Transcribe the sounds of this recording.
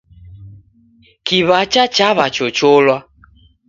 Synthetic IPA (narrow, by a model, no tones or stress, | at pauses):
kiβat͡ʃat͡ʃaβat͡ʃot͡ʃolwa